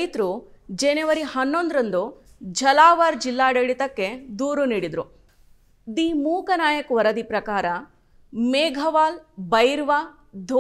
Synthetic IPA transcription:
jt̪ɾud͡ʒenɛʋɐɾihɐnːond̪ɾɐnd̪u | d͡ʒɐlaːʋaɾd͡ʒilːaːɽeɽit̪ɐkːe̞d̪uːɾuniːɽid̪ɾu | d̪iːmuːkɐnaːjɐkuʋɐɾɐd̪ipɾɐkaːɾɐ | meːɡʱɐʋaːlbɐjɾʋaː | d̪ʱ

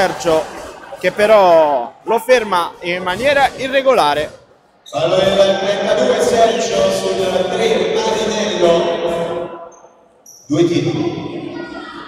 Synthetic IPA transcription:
ɛrt͡ʃok̟epːeɾɔlofermaimːanjɛːɾaʔirːeɡolaːɾe | kalːoɛlat̪ɾɛnt̪ad̪uːesɛrt͡ʃosulːat̪ɾepaɾinɛloɛ | d̪uːet̪iːt̪oli

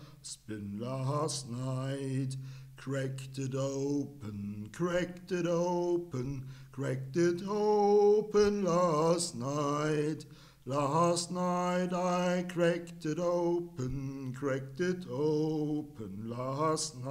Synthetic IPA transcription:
spɪ̃nlæsnaɪtkʰə˞ɛktɨɾoʊpə̃nkʰə˞ɛk̚tɨɾoʊʊpə̃nkʰə˞ɛk̚tɪɾoʊpə̃nlæstnaɪt | læstⁿnaɪɾaɪkʰə˞ɛk̚tɨɾoʊpə̃nkʰə˞ɛk̚tɪɾoʊpə̃nlæsna

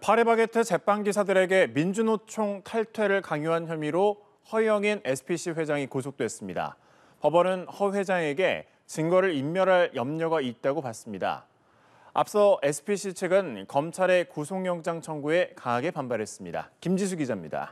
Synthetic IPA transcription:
pʰaɾebaɡetʰɯt͡ɕe̞pʰaŋɡisʰadɯɾe̞ɡe̞mind͡ʑunot͡ɕʰoŋtʰaɭtʰwe̞ɾɯɭkaŋjuɦançjʌmiɾo | hʌjʌŋine̞sʰɯ̥pʰiɕʰiɸwe̞d͡ʑaŋikosʰok̚t͈we̞s͈ɯmɲida̰ | pʌbʌnɯnhʌɸwe̞d͡ʑaŋe̞ɡe̞̰ | t͡ɕɯŋɡʌɾɯɾimːjʌɾaɭjʌmɲʌɡait̚t͈aɡopas͈ɯmɲida̰ | a̰p̚s͈ʌe̞sʰɯ̥pʰiɕʰit͡ɕʰeɡɯnkʌmt͡ɕʰaɾe̞kusʰoŋjʌŋd͡ʑaŋt͡ɕʰʌŋɡue̞kaŋaɡe̞pambaɾe̞s͈ɯmɲida̰kimd͡ʑis̬ʰuɡid͡ʑamɲida̰

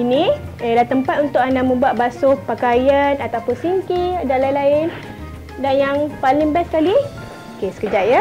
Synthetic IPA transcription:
inĩəlaht̪əmpat̪̚unt̪ʊkandamə̃buat̪̚basʊhpakajənat̪apʊnsiŋkiadalailaɪn | danjaŋpalɪŋbɛsə̥kali | okesə̥kəd͡ʒaʔ̪̚jə

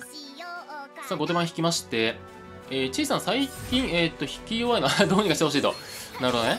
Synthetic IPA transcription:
saːɡo̞t̪e̞ãçʲi̥kʲimaɕi̥t̪e̞ | eːt͡ɕiːsãñsaikʲĩɰ̃et̪ːo̞çi̥kʲijoːaenoad̪oːɲ̟ikaɕit̪eoɕ̬iːt̪o̞̰naɾhod̪one

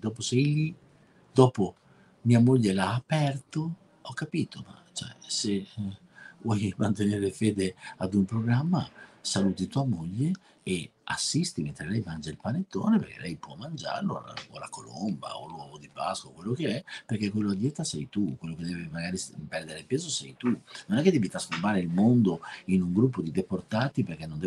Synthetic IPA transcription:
d̪ɔːposɛjli | d̪ɔːpo | miamoʎːelaːpɛrt̪o | ɔkːapiːt̪oma̰t͡ʃɛ̰se | vwɔjmant̪eneːɾefeːd̪ead̪umpɾoɡɾamːasaluːt̪it̪uamoʎːe | ea̰sːist̪imẽnt̪ɾelɛjmand͡ʒailpanet̪ːo̰ːneperkḛlʔɛjpwɔmːand͡ʒa̰ɾlo̰o̰la̰kolo̰mba̰o̰lwɔːvod̪ipa̰skwaokwelːokeɛperkekːwelːoad̪jɛt̪ːasɛjt̪ukwelːoked̪ɛːvimaɡaːɾipɛrd̪eɾepeːzosɛjt̪unonɛkːed̪ɛbit̪askombaːɾeilmond̪oinuŋɡɾup̬ːod̪id̪eport̪aːt̪iperk̟enːond̪ɛ

